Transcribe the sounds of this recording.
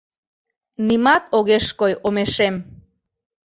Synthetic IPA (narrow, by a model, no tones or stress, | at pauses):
nimɑt̪oɣeʃkojomeʃem